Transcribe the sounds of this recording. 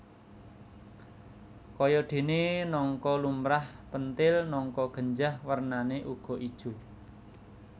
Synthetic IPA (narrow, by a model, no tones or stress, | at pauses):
kɔjɔɖ̪̥e̤nenɔŋkɔlumɾahpənt̪ɪlnɔŋkɔɡ̥ə̤ɲd͡ʒahwərnaneʔuɡ̥ɔ̤ʔid̥ʒ̥ṳ